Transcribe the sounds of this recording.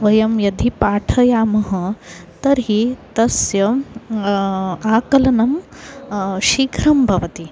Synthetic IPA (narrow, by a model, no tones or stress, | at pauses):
ʋɐjɐmjɐd̪ʱipaːʈʰɐjaːmɐɦɐ̆t̪ɐɾɦit̪ɐsjɐ | aːkɐlɐnɐm | ʃiːkʰɾɐmbʱɐʋɐt̪i